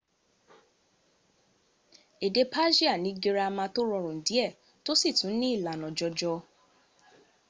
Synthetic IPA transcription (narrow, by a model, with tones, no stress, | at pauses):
e˨de˧pa˦d͡ʒi˦a˦˨nĩ˧˦ɡe˧ɾa˧mã˧to˦ɾɔ˧ɾũ˨n̩˨di˨˦ɛ˦˨ | to˦si˦˨tũ˨˦nĩ˦i˦˨la˨nɔ̃˨d͡ʒɔ˧d͡ʒɔ˧